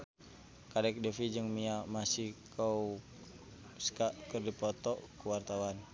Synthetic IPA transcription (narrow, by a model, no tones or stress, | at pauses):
kadɛk̚dɛfid͡ʒɨŋmiamasihkʰau | skaʔkərdipɔt̪ɔkuwart̪awan